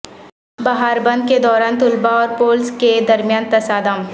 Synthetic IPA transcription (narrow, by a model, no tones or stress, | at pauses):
baɦaːɾbɐ̃nd̪̚ked̪ɔːɾaːnt̪ʊlbaɔːɾpoːlsked̪ɐɾmjaːnt̪ɐsaːd̪ãːm